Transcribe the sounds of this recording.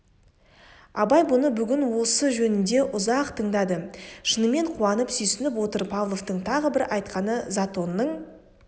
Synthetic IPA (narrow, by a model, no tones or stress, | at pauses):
ɑbɑjbʊnəbʏɡʲɪnwo̞səʒɵnɪnd̪e̞ʔʊzɑqt̪ʰəɴd̪ɑd̪əʃənəme̞ɴqʰuɑnəpsʏjsɪnɪp̬wo̞t̪əɾpʰɑvlˠo̞ft̪əɴt̪ʰɑʁəbɪɾʔɑjt̪qɑnəzat̪o̞nːəɴ